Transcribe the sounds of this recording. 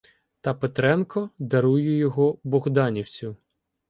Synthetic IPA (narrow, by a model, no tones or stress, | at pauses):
t̪ɐpet̪ɾɛnkɔd̪ɐɾujʊjɔɦɔbɔɣd̪ɑnʲiwt͡sʲʊ